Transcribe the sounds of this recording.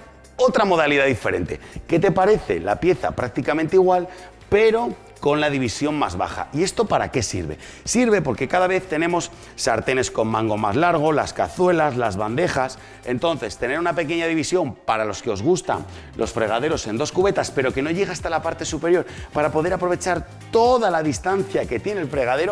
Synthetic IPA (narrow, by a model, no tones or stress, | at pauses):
o̞t̪ɾamo̞ðaliðaðife̞ɾẽ̞̰nt̪e̞̰ke̞t̪e̞paɾe̞θe̞̰la̰pje̞θa̰pɾak̚t̪ikamẽnt̪eiɣ̞wal | pe̞ɾo̞ | ko̞nlaðiβ̞isjo̞ŋmazβa̰χa̰ie̞st̪o̞paɾa̰ke̞sḭɾβe̞̰ | siɾβe̞po̞ɾke̞kaðaβ̞e̞θt̪e̞nẽ̞mo̞sː | aɾt̪e̞ne̞sko̞mːãŋɡo̞mazlaɾɣ̞o̞laska̰θwe̞lazlazβand̪e̞χas | e̞nt̪o̞n̟θe̞st̪e̞ne̞ɾunape̞ke̞ɲaðiβisjo̞mpaɾalo̞ske̞o̞zɣust̪a̰ŋ | lo̞sfɾe̞ɣ̞aðe̞ɾo̞se̞nd̪o̞skuβe̞t̪aspe̞ɾo̞ke̞no̞ʝe̞ɣast̪alapaɾt̪e̞supe̞ɾjo̞ɾpaɾapo̞ðe̞ɾapɾo̞β̞e̞t͡ʃaɾ | t̪o̞ðalaðist̪anθjake̞t̪je̞nelfɾe̞ɣ̞aðe̞ɾo